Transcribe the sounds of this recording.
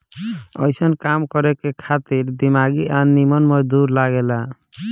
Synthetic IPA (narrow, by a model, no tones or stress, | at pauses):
ɔ̰jsənkamkɔɾɛkekʰat̪iɾd̪imaɡiʔanimɔnmɔd̪uɾlaɡɛla